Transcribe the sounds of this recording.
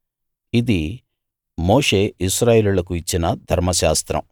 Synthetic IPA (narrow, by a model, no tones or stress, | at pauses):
id̪i | moːʂe̞ːisɾaːjeːlulɐkuit͡ʃːinɐd̪ʱɐɾmɐʃaːst̪ɾɐ̰m